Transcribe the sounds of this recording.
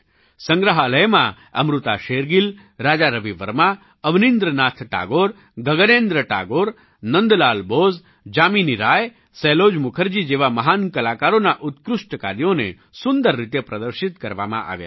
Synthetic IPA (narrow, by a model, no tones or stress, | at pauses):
səŋɡɾəɦaləjmã | ə̰mɾut̪aʃeɾɡil | ɾaːd͡ʒaɾəʋiʋəɾma | əʋnind̪ɾənaːt̪ʰʈa̰ɡoɾ | ɡəɡənend̪ɾəʈa̰ɡoɾ | nənd̪laːlboz | d͡ʒaminiɾaj | sɛlod͡ʒmukʰəɾd͡ʒid͡ʒeʋamɐɦankəlakaɾonaʔut̪kɾuʂʈəka̰ɾjonḛ | sund̪əɾːit̪jəpɾəd̪əɾʃit̪kəɾʋa̰mã̰ʔa̰ʋja̰